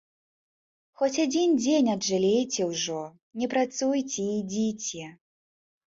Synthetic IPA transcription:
xɔt͡sʲad͡zʲind͡zʲenʲɐdʐɨlʲejt͡sʲɛwʐɔ | nʲɛpɾat̪sujt͡sʲɛid͡zʲit͡sʲɛ

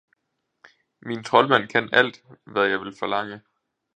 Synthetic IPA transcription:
mint͡sʰʁɒ̽lmæn̰kʰænæl̰d̥ʋæðˠjɑ̈ɪʋe̝lfɒ̽lɑ̈ŋ̰ə

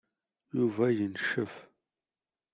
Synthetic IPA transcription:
juvæjənʃəf

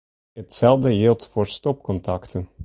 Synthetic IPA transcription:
ətsɛlˠvdəɦelˠtfoːrstɔpkɔntɑktən

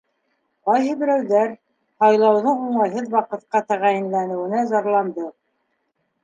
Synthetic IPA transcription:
qɑjɦɘbɘ̆ɾæwðæɾ | hɑjlˠɑwðɤɴuɴɑjɦɤðwɑqɤ̆t̪̚qɑt̪ɑ̆ʁɑjɘ̆nlænɘ̆wɘ̆næzɑɾlˠɑnd̪ɤ

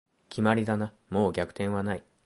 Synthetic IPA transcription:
kʲʰimaɾʲid̪ana | mo̞ːɡʲakɯ̟̥t̪ẽɰ̃βanai

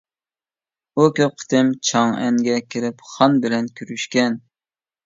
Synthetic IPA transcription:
ukʲøp̚qʰə̥t̪ʰɪmt͡ʃʰɑŋɛ̰ŋɡʲɛkʲʰɪɾɪpχɑnbɪlɛnkʲʰyɾyʃkʲɛn

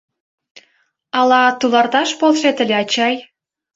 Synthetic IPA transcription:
ɑlɑt̪ulɑrt̪ɑʃpolʃet̪ə̆lʲeɑt͡ɕɑj

